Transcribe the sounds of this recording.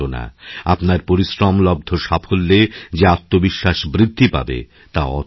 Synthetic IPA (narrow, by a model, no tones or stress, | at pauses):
ona̰apnaɾpoɾisɾɔmlɔb̚d̪ʱoʃafʰolːed͡ʑeat̪ːobiʃːaʃbɾid̪ʱːipa̰bḛ | t̪aɔ̰